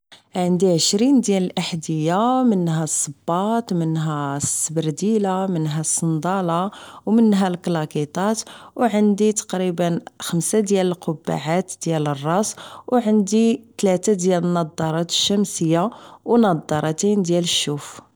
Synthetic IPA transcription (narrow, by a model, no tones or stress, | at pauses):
ʕənd̪iʕəʃɾind̪jæləlʔaħd̪əjːamənːɦæsˤːəbːɑt̪mənɦæsːəbɾd̪ilamənɦæsˤːənd̪ɑlɑwmənːɦælklɑkit̪ˤɑt̪wʕənd̪it̪ɑ̥qɾibənxəmsad̪jæləlqobːa̰ʕat̪d̪̥jælərˤːɑswʕənd̪it̪læt̪ad̪jælənːɑd̪ˤːɑɾˤɑt̪ə̥ʃːæmsəjːawnɑd̪ˤːɑɾˤɑt̪ind̪jæləʃːuf